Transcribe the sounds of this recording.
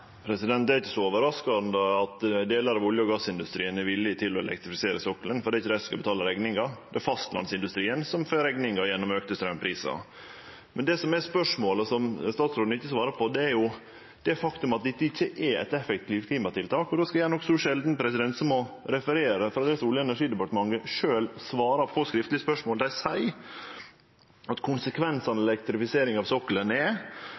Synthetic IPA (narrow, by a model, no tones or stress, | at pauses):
pʰɾɛsɪd̪ɛnt̪̚d̪ɛæɾɪçːəsɔoːʋəɾɑskɑnd̪əɑt̪d̪eːləɾɑʋɔljəɔɡɑsːɪnd̪ʉst̪ɾiːənæɾʋɪlːɪt̪ʰɪlːɔɛ̰lɛ̰k̚t̪ɾɪfɪseːɾəsɔkːlənfɔɾɖ̪ɛɾɪçːəd̪ɛɪsskɑbət̪ʰɑːləɾɛɡnɪŋɑd̪ɛæfɑst̪lɑ̰nsɪnd̪ʉst̪ɾiːənsɔmføːɾɛɡnɪŋɑjɛnːɔmøːkt̪əst̪ɾɛmpʰɾiːsɑ̰ | mɛnd̪ɛːsɔmæspœʂmoːləsɔmst̪ɑːt̪sɾoːd̪nɪçːəsʋɑːɾəpʰɔd̪ɛæɾjʊ | d̪̥ɛfɑkt̪ʉmɑt̪̚d̪ɛɪt̪ːɪçːəʔɛɛ̰t̪ɛfɛkt̪ʰiːʋkʰliːmɑt̪ʰɪlt̪ʰɑːkɔd̪oːskɑjæːnɔkːsuʂɛld̪n̩pʰɾɛsɪd̪ɛnt̪səmɔɾɛfəɾeːɾəfɾɑd̪ɛːsuːlɪəɛnæɾʂiːd̪ɛpɑʈəmɑŋɡəʂøːlsʋɑːɾɑpʰɔskɾɪft̪lɪəspœʂmoːld̪æɪsæɪ | ʔɑt̪kʰʊnsəkʰʋɛnsɑnɛlɛk̚t̪ɾɪfɪseːɾɪŋɑʋsɔkːələnɛ